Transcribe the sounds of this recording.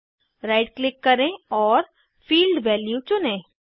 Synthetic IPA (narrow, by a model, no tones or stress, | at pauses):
ɾaɪɖklɪkːɐɾẽɔːɾ | fiːlɖʋɛːljut͡ʃʊnẽː